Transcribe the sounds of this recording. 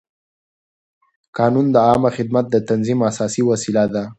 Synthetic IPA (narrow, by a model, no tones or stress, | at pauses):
kɑnund̪əɑmaxɪd̪mat̪̚d̪ət̪anzimasɑsiwasilad̪a